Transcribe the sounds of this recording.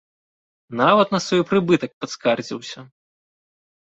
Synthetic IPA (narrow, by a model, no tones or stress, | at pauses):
navɐt̪nɐsvɔjpɾɨbɨt̪ɐk̚pɐt̪skard͡zʲḭwsʲɐ